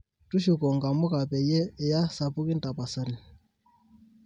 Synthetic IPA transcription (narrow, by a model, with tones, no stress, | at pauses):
tu˦ʃu˨kɔ˨ŋɡa˨mʊ˦ka˨pɛ˨jɛː˦˨ja˦sa˨pu˦ki˦n˦ta˨pa˨sa˦ɾi˨